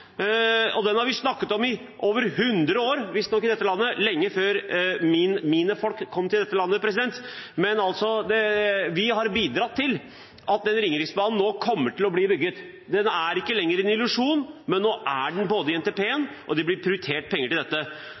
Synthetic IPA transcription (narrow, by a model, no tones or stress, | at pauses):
ɔd̪ɛnhɑɾʋɪsnɑkːət̪ɔmɪ | ʔoːʋəɾhʉnd̪ɾəoːɾʋɪst̪nɔkːɪd̪ɛt̪ːəlɑnːəlɛŋːəføːɾmɪnmiːnəfɔlkʰːɔmːt̪ʰɪld̪ɛt̪ːəlɑnːəpʰɾɛs̬ɪd̪ɛnt̪mɛnɑlt̪sɔd̪ɛʋɪhɑɾbiːd̪ɾɑt̪ʰːɪl | ʔɑt̪̚d̪ɛnːɾɪŋːəɾɪksbɑːnn̩ːoːkʰɔmːəʈɪlɔbliːbʏɡːət̪ | d̪ɛnæɾɪkːəlɛŋːəɾɛnɪlʉʂuːnmɛnːoːʔæɖɛnboːd̪əɪɛnt̪ɛpʰeːənʔɔ̰d̪ɪblɪɾpʰɾɪʊʏt̪ʰeːʈ̚pʰɛŋːəʈɪld̪ɛt̪ːə